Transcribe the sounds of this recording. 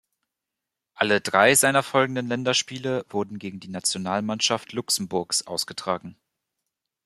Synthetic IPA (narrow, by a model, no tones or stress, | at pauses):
ʔalədʁaɪzaɪnɐfɔlɡŋ̩dənlɛndɐʃpiːləvʊɐdn̩ɡeːɡŋ̩diːnat͡sjonaːlmanʃaftlʊksm̩bʊɐksʔaʊsɡ̥ətʁ̥aːɡŋ̩